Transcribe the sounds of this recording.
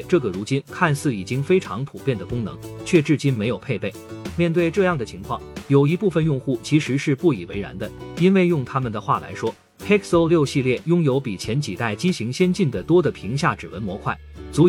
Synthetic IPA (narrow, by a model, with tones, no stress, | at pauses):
ʈ͡ʂɤ˥˩ɡə˩ɻu˧˥t͡ɕi˥nkʰa˥˧nsɹ̩˥˩i˨˩t͡ɕi˥ŋfe˥ɪʈ͡ʂʰɑ˧˥ŋpʰu˨˩pjɛ˥˩nd̪ə˩kʊ˥ŋnɤ̰˧˥ŋt͡ɕʰɥɛ˥˧ʈ͡ʂɻ̩˥˩t͡ɕi˥nme˧˥ɪjo˨˩ʊpʰe˥˧ɪpe˥˩ɪmjɛ˥˧nt̪we˥˧ɪʈ͡ʂɤ˥˧jɑ˥˩ŋd̪ə˩t͡ɕʰi˧˥ŋkʰwɑ˥˩ŋjo˨˩ʊi˧˥pu˥˩fə˨njʊ˥˧ŋxu˥˩t͡ɕʰi˧˥ʂɻ̩˧˥ʂɻ̩˥˧pu˥˩i˨˩we˧˥ɪɻa̰˧˥nd̪ə˧i˥nwe˥˧ɪjʊ˥˩ŋt̪ʰa˥mə˨nd̪ə˩xwa˥˩la̰˧˥ɪʂwɔ˥ | t̪ʰɛ˥kʰso˥ʊljo˥˧ʊɕi˥˧ljɛ˥˩jʊ˥ŋjo˧˥ʊpi˨˩t͡ɕʰjɛ˧˥nt͡ɕi˨˩t̪a˥˩ɪt͡ɕi˥ɕi˧˥ŋɕjɛ˥nt͡ɕi˥˩nd̪ə˩t̪wɔ˥d̪ə˨˩pʰi˧˥ŋɕ̬ja˥˩ʈ͡ʂɻ̩˨˩wə̰˧˥nmwɔ˧˥kʰwa˥˩ɪt͡su˧˥